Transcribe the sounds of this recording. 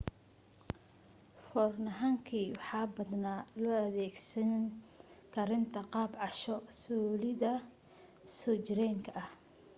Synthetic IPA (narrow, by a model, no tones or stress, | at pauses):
fɔrnɐɦaːŋkʰiːwɑħɑːbɐd̪naːlɔːɐðɛːɡsɐn | kʰɐɾɪnt̪ʰɐqɑːbʕɑʃɔsɔːlɪðɐ | sɔːt͡ʃɪɾɛːŋkʰɐʔɐh